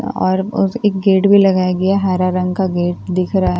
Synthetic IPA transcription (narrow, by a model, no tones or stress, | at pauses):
ɔ̰ːɾʊeːk̚ɡeːʈbʱilɐɡaːjaɡɐjaɦaːɾaɾɐ̃ŋɡkaɡeːʈ̚d̪ɪkʰɾaa